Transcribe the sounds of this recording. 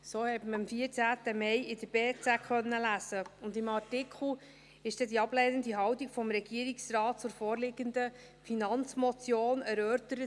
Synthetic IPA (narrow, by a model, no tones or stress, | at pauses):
soːhɛtməɾɑmfiːəɾt͡sæːtəmɛɪɪdəɾb̥eːt͡sækχœnːəlæsəʊndɪmɑrtɪkχl̩ | ɪʃd̥ɛdiɑb̥lɛnəndiɦɑwtiɡfɔmɾɛɡ̥iəɾiksrɑːt̚t͡sʊɾfɔːrlɪɡənd̪ə | finɑnt͡smɔt͡sjoːnæɾœːɾtəɾət